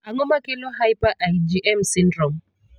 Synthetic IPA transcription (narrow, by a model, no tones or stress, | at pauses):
aŋɔmakɪlɔɦajpaʔajd͡ʒiʔɛmsindɾɔm